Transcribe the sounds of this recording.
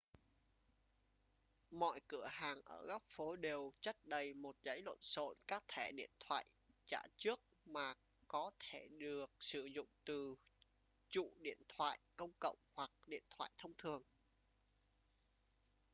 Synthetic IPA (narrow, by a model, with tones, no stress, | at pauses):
mɔ̰˧˨jkɨ˧˩əhaː˨˩ŋʔəː˧˩ɣɔ˦˥wp̚fo˨˦ɗe˨˩wt͡ɕə˦˥t̚ɗə˨˩jmo˨˩t̚zə˨˦jlə̰˧˨nso̰˧˨nkaː˦˥k̚t̪ʰɛ˧˩ɗḭ˧˨ənt̪ʰwa̰ː˧˨jt͡ɕaː˧˩t͡ɕɨ˦˥ək̚maː˨˩ | kɔ˨˦t̪ʰe˧˩ɗɨ˨˩ək̚sɨ˧˩zʊ̰˧˨ŋ͡mt̪ɨ˨˩ | t͡ɕṵ˧˨ɗḭ˧˨ənt̪ʰwa̰ː˧˨jkə˧wŋ͡mkə̰˧˨wŋ͡mhwa˨˩k̚ɗḭ˧˨ənt̪ʰwa̰ː˧˨jt̪ʰə˧wŋ͡mt̪ʰɨ˨˩əŋ